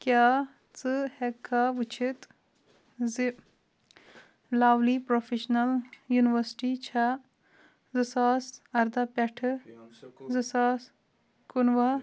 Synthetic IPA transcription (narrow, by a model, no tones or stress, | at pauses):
kjaː | t͡sɨhekʰːaʋut͡ʃʰit̪ | zi | laːwlipɾofʰeʃnɐljuniʋɐɾsʈit͡ʃʰa | zɨsaːsɐɾd̪apeʈʰɨ | zɨsaːs | kunʋɐ